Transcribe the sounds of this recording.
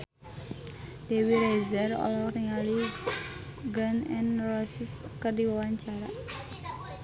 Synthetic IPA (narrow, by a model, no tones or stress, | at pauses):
d̥ewiɾejzɛrɔ̰lɔkriŋali | ɡənɛ̰nrɔsiskərdiwawaɲt͡ʃaɾa̰